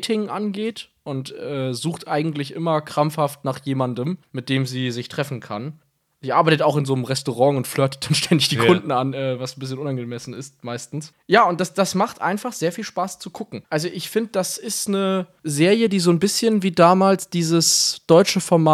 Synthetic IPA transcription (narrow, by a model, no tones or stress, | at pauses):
tʰɪŋʔanɡeːtʔʊntʔɛːzuːxtʔaɪɡŋ̩tlɪçʔɪmɐkʁ̥amfhaftnaːχjeːmandəmmɪt̚d̥eːmziːzɪçtʁ̥ɛfn̩kʰa̰n | z̥iːʔaɐbaɪtətaʊxɪnzoːnəmʁɛstoʁɑ̃ŋʊntflœɐtə̥t̚d̥anʃtʰɛndɪçd̥iːkʰʊndn̩anʔɛːvasn̩bɪs̬çənʔʊnanɡəmɛsn̩ɪstmaɪstn̩s | jaːʊnt̚d̥asd̥asmaχtʔa̰ɪnfaχz̥eːɐfiːlʃpaːst͡sukʰʊkŋ̩ʔalzoʔɪçfɪndədasɪstnə | zeːʁjədiːzoːnbɪsçənviːdaːmaːlsd̥iːzəsd̥ɔʏt͡ʃəfɔɐmaː